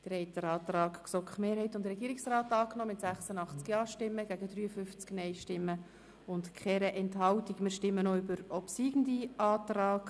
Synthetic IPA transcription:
d̥əɾɛɪtəɾɑːt̪ɾɑːɡksɔkχmeːɾɦhɛɪtʊntdəɾɛɡiːɾiksrɑːtɑːknɔːmɪtsæχsənɑχt͡skjɑːʃtɪmːəɡ̥æɡ̥ədɾyːəfʏft͡sknɛɪʃtɪmːə | ʊntkʰχɛɾɛʔɛnthɑwtikmɪːʃtɪmːənoybəɾɔpsiːɡən̩diɑːt̪rɑːɡ̥

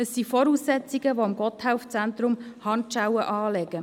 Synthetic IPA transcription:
əsːifɔɾuːsːɛt͡siɡəʋoɪmɡɔthaʊft͡sænt̪ɾʊmhɑntʃaʊwəʔɑːlɛɡ̥ə

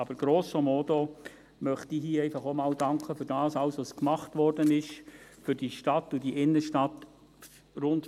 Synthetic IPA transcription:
ɑb̥əɾɡ̥ɾoːsəmɔto | mœχtiːɦiːɛɪfɑχomɑːldɑŋkχəfʏɾd̥ɑːsɑwsʋoskmɑχtʋɔrdənɪʃfʏɾd̥iʃtɑtʊdiʔɪnːəʃtɑt | ɾʊnt

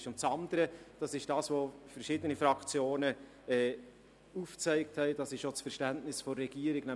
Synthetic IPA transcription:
ʃʊnt͡sɑndəɾəd̥ɑsɪʃd̥ɑːsʋofɛɾʃɪːdənifɾɑkt͡sjoːnə | ɛː | uːft͡sɛɪk̚thɛɪdɑsɪʃot͡sfɛɾʃtæntnɪsfɔrːɛɡ̥iːəɾɪɡ̥nɛ

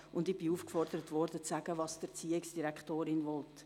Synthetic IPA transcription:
ʊndɪb̥iuːfkfɔrd̥əɾətʋɔrd̥ət͡sæɡəʋɑːsd̥əɾt͡siːɪksd̥iɾɛkχtoːɾɪnʋɔlt

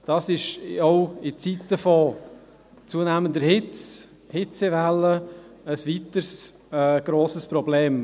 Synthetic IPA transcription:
d̥ɑsɪʃɔʊɪt͡sit̪ːəfɔ | t͡suənæːmənd̪əɾhɪt͡s | hɪt͡sevælːəəsʋit̪əɾs | ɛɡ̥ɾoːsəspɾɔbleːm

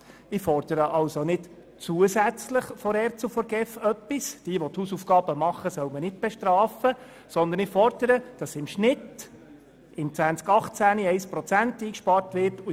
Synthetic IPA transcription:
ɪfɔrd̪̥əɾəʔɑlsonɪd | t͡suəsæt͡sləχfɔɾɛɾt͡sufɔɾɡɛfœpːisd̥iəʋɔt̪huːsufɡ̥ɑːb̥əmɑχəsœʊmənɪt̚b̥ɛʃtɾɑːfə | sɔnd̪ənɪfɔrd̥̪əɾəd̥ɑsɪmʃnɪt | ɪmt͡sʋænt͡skɑχt͡sæniɛɪspɾɔt͡sæntiːkʃpɑːrtʋɪrtu

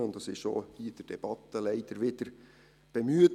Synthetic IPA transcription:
ʊnt̪dɑsɪʃʃo̰hid̥əɾd̥ɛb̥ɑt̪ːəlɛɪd̪̥əɾʋɪd̥̪əɾ | b̥ɛmyət

